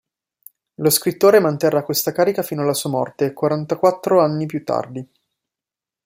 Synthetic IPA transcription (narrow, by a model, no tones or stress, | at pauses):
loskɾit̪ːoːɾemant̪erːakːwest̪akaːɾikafiːnoalːasuːamɔ̰rt̪eːkːwaɾant̪akwat̪ːɾoanːipjut̪ːa̰rd̪i